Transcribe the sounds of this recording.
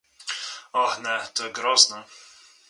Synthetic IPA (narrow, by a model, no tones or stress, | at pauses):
ɔxnɛt̪ɔɛɡɾɔznə